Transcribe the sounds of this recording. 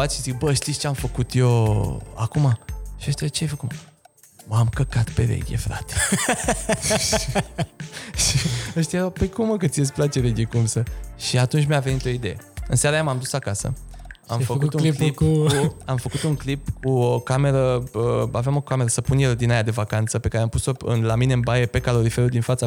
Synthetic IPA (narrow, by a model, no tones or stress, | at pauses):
at̪ʃizikbəʃt̪itst͡ʃeamfəkut̪joa̰kumaʃiəʃt̪jat͡ʃeajfəku | məamkəkat̪peɾḛɡʲḛfɾa̰t̪e̥ | ʃiəʃt̪jajeɾapəjkuməkət̪sijesʲplat͡ʃeɾeɡʲekumsəʃiat̪unt͡ʃʲmiave̞nit̪o̞id̪e̞jḛɨ̰nsaɾajamamd̪usakasə̰ | a̰mfəkkut̪uŋklipkuamfəkut̪uŋklipkuokameɾəəavejamo̞kameɾəsəpunjeld̪inajad̪e̞vakant̪səpe̞kaɾeampuso̞ɨ̰nlamine̞ɨnbajepe̞kalo̞ɾifeɾud̪infat̪sa